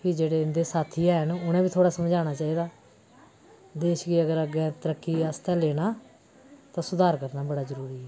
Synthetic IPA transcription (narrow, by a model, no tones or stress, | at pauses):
kid͡ʒeːɽeːɪnd̪eːsaːt̪ʰiːɛːɦənʊnẽːbiːt̪ʰoːɽaːsəmd͡ʒaːɽ̃aːt͡ʃaːiːd̪aː | d̪eːʃɡiəɡəɾəɡɛ̃ːt̪əɾəkːiːəst̪ɛ̃ːleːnaː | t̪ãːsʊd̪aːɾkəɾnaːbəɽaːzəɾuːɾiːɛː